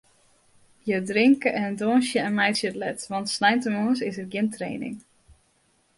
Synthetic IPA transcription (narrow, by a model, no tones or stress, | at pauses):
jədrɪŋkəʔɛndoːnsjəɛnmɛjtsjətlɛtʋɑntsnɛjntəmoːs̬ɪsərɡjɪntrḛːnɪ̰ŋ